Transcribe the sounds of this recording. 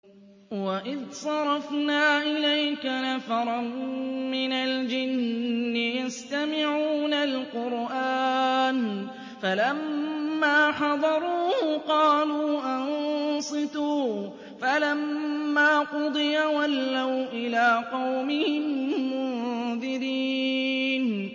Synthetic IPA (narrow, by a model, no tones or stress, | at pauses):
waʔɪðsˤɑɾˤɑfnaːʔɪlajkanafɑɾˤɑnmɪnald͡ʒɪnːɪjast̪amɪʕuːnalqʊɾʔaːn | falamːaːħɑd̪ˤɑɾˤuːhʊqɑːluːʔansˤɨt̪uː | falamːaːqʊd̪ˤɨjawalːawʔɪlaːqɑwmɪhɪmːʊðɪɾiːn